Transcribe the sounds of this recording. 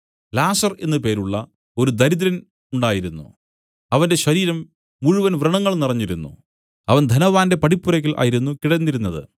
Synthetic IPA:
laːsɐre̞nːɨpe̞ːɾuɭːɐ | o̞ɾud̪ɐɾiðɾɐn | uɳɖaːjiɾunːṵ | ɐʋɐnde̞ɕɐɾiːɾɐmː | uɻuʋɐnʋrɨɳɐŋːɐɭnirɐɲːiɾunːṵ | ɐʋɐnd̪ʱɐnɐʋaːnde̞pɐɽipːuɾɐkʲːilʔa̰ːjiɾunːukiɽɐnːiɾunːɐðɨ̰

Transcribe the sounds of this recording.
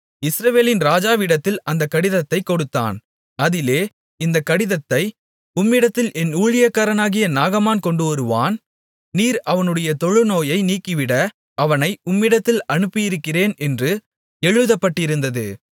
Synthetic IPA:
ɪsɾɐʋeːlɪnɾaːd͡ʒaːʋɪɽɐt̪ːɪlɐnd̪ɐkːɐɽɪðɐt̪ːɐɪkːɔɽɯt̪ːa̰ːn | ɐðɪleː | ɪnd̪ɐkːɐɽɪðɐt̪ːɐɪ | ʊmːɪɽɐt̪ːɪlʔɛnuːɻɪjɐkːaːɾɐnaːɣɪjɐnaːɣɐmaːnkɔɳɖɯʋɐɾɯʋa̰ːn | niːɾɐʋɐnɯɽɐjɐt̪ɔɻɯnoːjɐɪniːkːɪʋɪɽɐ | ɐʋɐnɐɪʊmːɪɽɐt̪ːɪlɐɳɯpːɪjɪɾɯkːɪreːnɛndrɯ | ɛɻɯðɐpːɐʈːɪɾɯnd̪ɐðɯ

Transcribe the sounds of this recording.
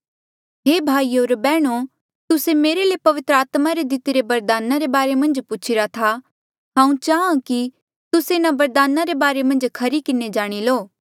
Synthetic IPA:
ɦeːbʱaːioːɾbɛːɽ̃o | t̪ʊsemeːɾelepɐʋɪt̪ɾəaːt̪maɾed̪ɪt̪ɪɾebɐɾd̪aːnaɾebaːɾemɐ̃nd͡ʒpʊt͡ʃʰɪɾat̪ʰa | ɦãːũt͡ʃaːãki | t̪ʊseɪnabɐɾd̪aːnaɾebaːɾemɐ̃nd͡ʒkʰɐɾikɪned͡ʒaːɽ̃iloː

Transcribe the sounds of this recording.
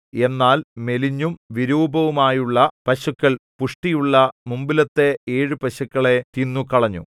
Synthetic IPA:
e̞nːaːlme̞liɲːumʋiɾuːbʱɐʋumaːjuɭːɐpɐɕukːɐɭpuʂʈijuɭːɐmumbilɐt̪ːe̞eːɻɨpɐɕɐkːɐɭe̞t̪inːukɐɭɐɲːṵ

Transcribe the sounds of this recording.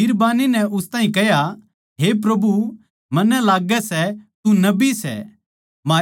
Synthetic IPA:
ɪɾbaːninɛʔʊst̪aːĩkɛɦja | ɦep̬ɾɐbʱu | mɐnːɛlaːɡɛsɛt̪unɐbisɛ̰ | maː

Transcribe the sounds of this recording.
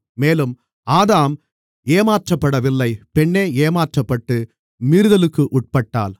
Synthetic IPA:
meːlɯm | aːðaːm | eːmaːʈrɐpːɐɽɐʋɪlːɐɪpɛɳːeːeːmaːʈrɐpːɐʈːɯ | miːɾɯðɐlɯkːɯʔʊʈ̚pɐʈːa̰ːl

